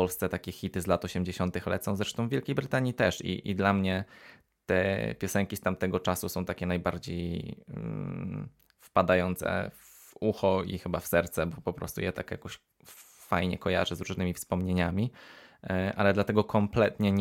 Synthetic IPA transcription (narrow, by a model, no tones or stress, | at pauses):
pɔlst̪sɛt̪akʲɛxʲit̪ɘzlat̪ɔɕɛmd͡ʑeɕɔnt̪ɘxlɛ̰t̪sɔ̃w̃zɾɛʂt̪ɔ̃w̃vʲjɛlkʲejbɾɘt̪aɲit̪ɛʂḭʔid̪lamɲɛ | t̪ɛ̰pʲjɔsɛŋkʲist̪amt̪ɛɡɔt͡ʂasusɔ̃w̃t̪akʲɛnajbaɾd͡ʑḛj | fpad̪ajɔnt̪sɛ̰ | vuxɔḭxɘbafsɛɾt̪sɛbɔpɔpɾɔ̰st̪ṵjɛ̰t̪a̰kja̰kɔɕ | fajɲɛ̰kɔja̰ʐɛzɾuʐnɘmʲifspɔmɲeɲamʲi | ʔalɛd̪lat̪ɛɡɔkʰɔmplɛt̪ɲɛ